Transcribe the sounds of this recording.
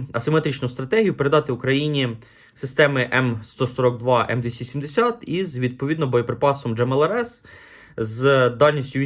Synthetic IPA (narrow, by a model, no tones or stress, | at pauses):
ɐsɪmet̪ɾʲit͡ʃnʊst̪ɾɐt̪ɛɦʲijʊpeɾe̞d̪ɑt̪ɪʊkɾɐjinʲi | sɪst̪ɛmɪʔɛmst̪ɔsɔɾɔɡd̪ʋɑɛ̰md̪ʋʲisʲtʲisʲimd̪esʲɑt̪izʋʲid̪̚pɔʋʲid̪nɔbɔjɔpɾɪpɑsɔmd͡ʒɛmɛlˠɛɾɛs | zd̪ɑlʲnʲisʲtʲʊʋ